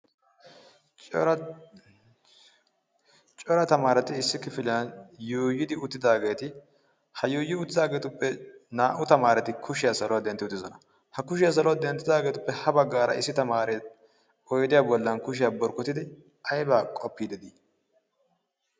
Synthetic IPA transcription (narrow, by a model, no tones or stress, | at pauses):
t͡ʃʼɔɾɐt̪ɐmaːɾɛt̪ɪːsːɪkɪfɪlɪjɐnjoːjːɪd̪ɪʊt̪ːɪd̪aːɡe̞ːt̪ɪ | hɐjoːjːɪʊt̪ːɪd̪aːɡe̞ːt̪ʊpːɛnaːʔʊt̪ɐmaːɾɛt̪ɪkʰʊʃɪjasɐlɔwad̪ɛnt̪ːɪʊt̪ːɪzɔnɐ | hɐkʊʃ̬ɪjas̬ɐlɔwad̪ɛnt̪ːɪd̪aːɡe̞ːt̪ʊpːɛhɐbɐɡːaːɾɐ̰ɪsːɪt̪ɐmaːɾɛt | ɔjd̪ɪjaːbɔlːɐnkʊʃ̬ɪjaːbɔɾkːɔt̪ɪd̪ɪ | ɐjbaːkʼɔpːiːd̪ɛd̪iː